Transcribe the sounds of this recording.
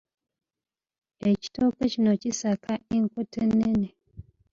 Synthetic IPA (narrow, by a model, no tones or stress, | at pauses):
eci̥tokecinocisakaeŋkotenːene